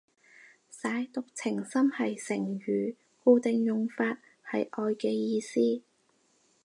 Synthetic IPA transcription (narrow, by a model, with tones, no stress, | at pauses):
saː˨˥jt̪ʊ˨k̚t͡sʰɪ˨˩ŋsɐ˥mhɐ˨jsɪ˨˩ŋɥyː˨˩ | kuː˧t̪ɪ˨ŋjʊ˨ŋfaː˧t̚ | hɐ˨jʔɔː˧jkɛː˧jiː˧siː˥